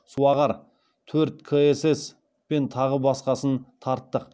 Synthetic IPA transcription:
suɑʁɑɾ | t̪ʰɵɾt̪̚kʰəeses | pe̞nt̪ʰɑʁəbɑsqɑsənt̪ʰɑɾt̪ːəq

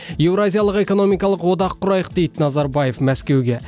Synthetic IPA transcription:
je̞wɾazʲijɑlˠəqe̞ko̞no̞mijkɑlˠəqwo̞d̪ɑqʰːʊɾɑjəq̚d̪e̞jd̪ɪnɑzɑɾbaje̞fmæskʲe̞wɡʲe̞

